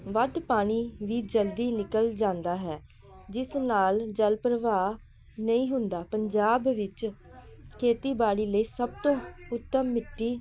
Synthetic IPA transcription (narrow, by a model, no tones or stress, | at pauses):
ʋəd̪paːɽ̃iːʋiːd͡ʒəld̪iːnɪkəld͡ʒãːnd̪aːɦɛː | d͡ʒɪsnaːld͡ʒəlpɾəʋaː | nəĩːɦʊnd̪aːpəɲd͡ʒaːbʋɪt͡ʃ | kʰeːt̪iːbaːɽiːləiːsəb̚t̪õːʊt̪ːəmːɪʈːiː